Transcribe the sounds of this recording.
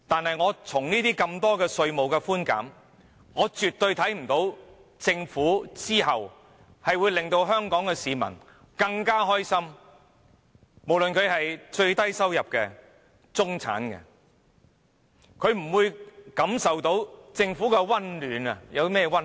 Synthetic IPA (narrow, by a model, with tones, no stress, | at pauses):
t̪aː˨nhɐ˨jŋɔː˨˧t͡sʰʊ˨˩ŋniː˥t̪iː˥kɐ˧mt̪ɔː˥kɛː˧sɵ˧ɥmo˨wkɛ˧fuː˥nka̰ː˨˥m | ŋɔː˨˧t͡syː˨t̪ːɵ˧ɥt̪ʰɐ˨˥jm̩˨˩t̪o˨˧˥w | t͡sɪ˧ŋfuː˨˥t͡siː˥ɦɐ˨w | hɐ˨jwuː˨˧jlɪ˨ŋt̪o˧wɦœː˥ŋkɔː˨˥ŋkɛ˧siː˨˧mɐ̰˨˩n | kɐ˧ŋkaː˥ɦɔː˥jsɐ˥m | mo˨˩wlɵ˨nkʰɵ˨˧ɥɦɐ˨jt͡ʃɵ˧ɥt̪ɐ˥jsɐ˥wjɐ˨p̚kɛ˧ | t͡sʊ˥ŋt͡sʰa̰ː˨˥nkɛ̰˧ | kʰɵ˨˧ɥm̩˨˩wuː˨˧jkɐ˨˥msɐ˨wt̪o˨˥wt͡sɪ˧ŋfu˨˥kɛ˧wɐ˥nlyː˨˧nɐ˨jɐ˨˧wtmɛː˥˧wɐ˥n